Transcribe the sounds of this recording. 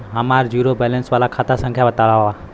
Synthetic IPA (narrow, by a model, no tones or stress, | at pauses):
ɦəmaɾd͡ʒjuːɾobɛlənsʋalakʰat̪asə̃ŋkʰjabət̪aɭaɦoa